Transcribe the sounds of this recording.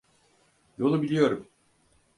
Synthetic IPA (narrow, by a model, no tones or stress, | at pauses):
jo̞lˠubilʲijo̞ɾum